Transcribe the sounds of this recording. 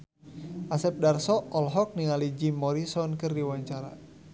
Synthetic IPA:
ʔasɛp̚darsɔɔlɦɔk̚niŋalid͡ʒimːɔɾisɔnkɨrdiwaɲt͡ʃaɾa̰

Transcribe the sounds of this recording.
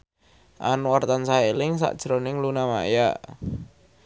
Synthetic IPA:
ʔanuwart̪ansaelɪŋsa̰ʔd̥ʒ̥ɾonɪŋlunama̰jaʔ

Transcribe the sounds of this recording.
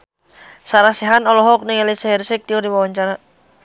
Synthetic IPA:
saɾasiɦanɔlɔɦɔk̚nɪŋɛlisaɦɛrsɛk̚t̪iurdiwawaɲt͡ʃaɾa

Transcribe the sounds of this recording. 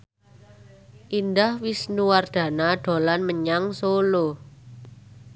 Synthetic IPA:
ʔindahwisnuward̪̥a̤naɖ̪̥o̤lanməɲaŋsolo

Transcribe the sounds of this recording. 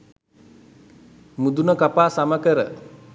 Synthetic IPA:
mud̪unəkapaːsaməkəɾə

